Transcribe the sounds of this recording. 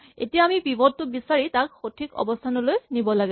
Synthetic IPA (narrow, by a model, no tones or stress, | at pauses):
ḛtijaːmipibɔdtʊbisaɹitak̚xotʰikɔ̰bɔstʰanɔlojnibɔlaɡɛ